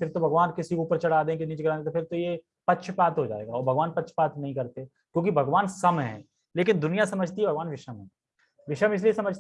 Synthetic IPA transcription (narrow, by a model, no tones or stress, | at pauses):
fɪɾt̪obʱɐɡʋaːnkɪsikoːpəɾt͡ʃɐɽ̤aːd̪ẽkenit͡ʃɡɐɾaːd̪et̪opʰɪɾt̪oje | pɐtːʃʰpaːt̪ɦod͡ʒa̰ːḛːɡaɔːɾbʱɐɡʋaːnpɐtːʃʰpaːt̪nɐɦĩkɐɾt̪e | kjõːk̬ibʱɐɡʋaːnsɐmɦɛ̰̃ː | leːkɪnd̪ʊnijasɐməd͡ʒʱt̪iɦɛbʱɐɡʋaːnʋɪʃəmɦɛ̃ː | ʋɪʃəmɪs̬liesɐməd͡ʒʱt̪